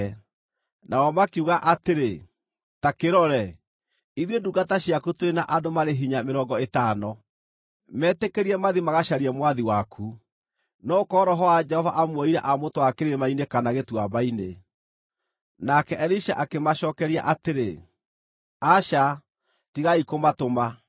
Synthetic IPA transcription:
nʔawɔmakiuɣaʔateɾe | takeɾɔɾɛ | iðweduɡataɕjakutoɾenaʔadomaɾeɦiɲameɾɔːŋɡɔetaːnɔ | mɛːtekeɾiɛmaðimaɣaʃaɾiɛmwaðiwakʰu | nɔkɔːɾɔɦɔad͡ʒɛhɔvaʔamwɔiɾɛʔamotowakeɾemainekanaɣetwamaine | nakɛʔɛɾiʃa̰ʔakemaʃɔːkɛɾia̰ʔateɾḛ | aʃa | tiɣaikomatoma

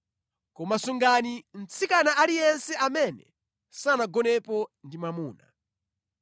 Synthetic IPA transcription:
kɔmasuŋɡanim̩t͡sʰikanaʔalijɛnsɛʔamɛnɛ̰ | sanaɡɔnɛpɔndimamuːna

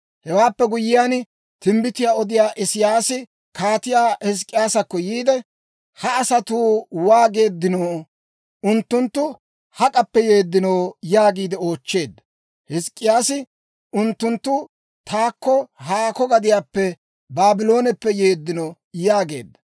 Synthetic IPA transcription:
hɛwaːpːɛɡʊjːɪjaːn | t̪ɪmbɪt̪ɪjaːɔd̪ɪjaːʔɪsɪjaːsɪ | kaːt̪ɪjaːhɪs̬kʼːɪjaːsɐkːɔjiːd̪ɛ | hɐːsɐt̪uːwaːɡe̞ːd̪ːɪnoː | ʊnt̪ːʊnt̪ːʊ | hɐkʼɐpːɛjeːd̪ːɪnoːjaːɡiːd̪ɪoːt͡ʃːe̞ːd̪ːɐ̥ | hɪskʼːɪjaːsɪ | ʊnt̪ːʊnt̪ːʊ | t̪ʰaːkːɔɦaːkɔɡɐd̪ɪjaːpːɛ | baːbɪlo̞ːnɛpːɛje̞ːd̪ːɪno | jaːɡe̞̰ːd̪ːɐ

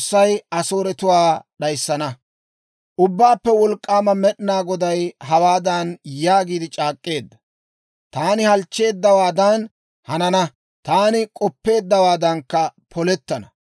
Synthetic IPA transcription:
sːɐjɐsoːɾɛt̪ʊwaːɗɐjsːɐnɐ | ʔʊbːaːpːɛwɔlkʼːaːmɐmɛɗɪnaːɡɔd̪ɐjɦɐwaːd̪ɐnjaːɡiːd̪ɪt͡ʃʼaːkʼːe̞ːd̪ːɐ̥ | t̪aːnɪhɐlt͡ʃːe̞ːd̪ːɐwaːd̪ɐn | hɐnɐnɐ | t̪aːnɪkʼɔpːe̞ːd̪ːɐwaːd̪ɐŋkːɐpʰɔlɛt̪ːɐnɐ

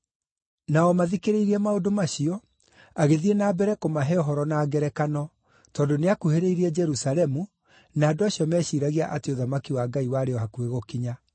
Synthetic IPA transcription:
naɔmaðikeɾeiɾiɛmaodomaɕiɔ | aɣeðienaːbɛɾɛkomaɦɛɔɦɔɾɔnaːɡɛɾɛkanɔ | tɔːndoneakuheɾeiɾiɛd͡ʒɛɾusalɛmu | naːdoaɕiɔmɛːɕiːɾaɣiaʔateoðamakiwaːɡaiwaɾeɔhakueɣokiɲa

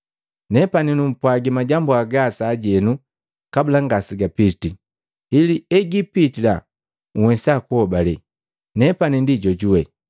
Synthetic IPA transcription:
nɛpaninum̩pwaɡɛmaɟambuaɡasaːɟɛnu | kabulaŋɡasiɡapiti | iliɛɡipitila | uhwɛsakuɔbalɛ | nɛpanindiɟɔɟuwɛ

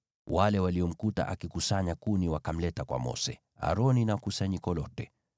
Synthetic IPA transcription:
wʔalɛwaliɔm̩kuta̰ʔakikusaɲakuniwakam̩lɛtakwa̰mɔ̰sɛ | a̰ɾɔninakusaɲikɔlɔtɛ

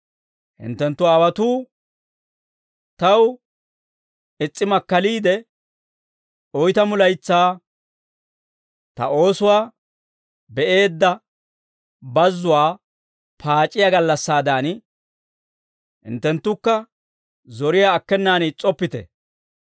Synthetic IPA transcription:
hɪ̰nt̪ːɛnt̪ːʊaːwɐt̪uː | t̪ɐw | ɛt͡sʼːɪmɐkːɐliːd̪ɛ | ɔjt̪ɐmʊlɐjt͡sːaː | t̪ɐ̰o̞ːsʊwaː | bɛʔe̞ːd̪ːɐ | bɐzːʊwaː | pʰaːt͡ʃʼːɪjaɡɐlːɐsːaːd̪aːn | hɪ̰nt̪ːɛnt̪ːʊkːɐ | zɔɾɪjaːkːɛnːaːnt͡sʼɔpːɪt̪ɛ̰

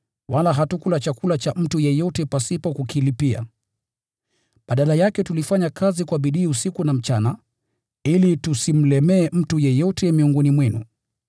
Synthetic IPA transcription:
walaɦatukulat͡ʃakulat͡ʃam̩tujɛjɔtɛpasipɔkukilipia̰ | ɓaɗalajakɛtulifaɲakʰazikwaɓiɗiːusikunam̩t͡ʃana | ilitusim̩lɛmɛːm̩tujɛjɔtɛmiɔŋɡɔnimwɛnṵ

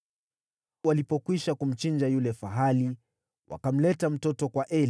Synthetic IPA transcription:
walipɔkwiʃakum̩t͡ʃind͡ʒajulɛfaɦali | wʔa̰kam̩lɛtam̩tɔtɔkwaʔɛl

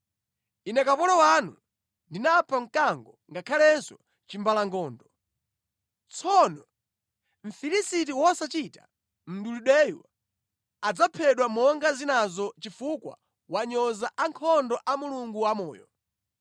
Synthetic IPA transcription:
inɛkapɔlɔwanṵ | ndinapʰaŋ̩kaŋɡɔŋɡakʰalɛnsɔ | t͡ʃimbalaŋɡɔːndɔ | t͡sʰɔnɔ | ɱ̩filisitiwɔsat͡ʃitḁ̰ | m̩duluɗɛjwa | ad͡zapʰɛɗwamɔŋɡazinazɔt͡ʃifukwa̰ | waɲɔzaʔaŋkʰɔndɔʔamuluŋɡuwamɔːjɔ

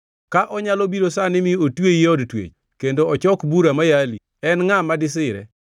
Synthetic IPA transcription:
kaʔɔɲalobiɾosanɪmɪotwejɔdtwḛt͡ʃ | kendoɔt͡ʃɔkbuɾamajali | ɛnŋamadɪs̬ɪɾɛ̰

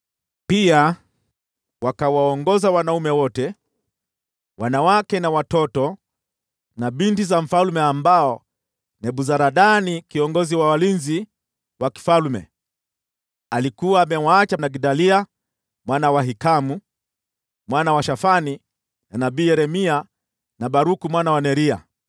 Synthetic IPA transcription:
pia | wakawaɔŋɡɔzawanaumɛwɔtɛ | wanawakɛnawatɔtɔ | naɓintizam̩falumɛambaɔ | nɛɓuzaɾaɗanikiɔŋɡɔziwawalinzi | waki̥falmɛ̰ | alikuwaːmɛwaːt͡ʃanaɡidalia | mwanawaɦikamu | mwanawaʃafani | nanabiːjɛɾɛmia | naɓaɾukumwanawanɛɾia̰

